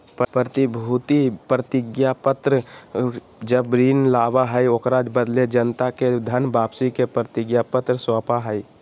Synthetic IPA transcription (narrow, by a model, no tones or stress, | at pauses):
ppɾət̪ibʱut̪ipɾət̪ɪɡjapət̪ɾə | d͡ʒəbɾiːnlaːʋaɦɛjokɾad͡ʒbəd̪led͡ʒənt̪aked̪ʱənbaːpsikepɾət̪ɪɡjapət̪ɾəswaːpaɦɛi